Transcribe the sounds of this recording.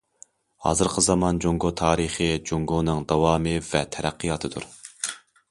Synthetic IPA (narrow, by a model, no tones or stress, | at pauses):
hɑ̰ːzɨɾqʰəzɑmɑnd͡ʒoŋɡot̪ʰɑːɾɨχɨd͡ʒoŋɡonɨŋd̪ɑwɑːmɨvɛt̪ʰɛɾæqʰːijɑːt̪ʰɨd̪ṵɾ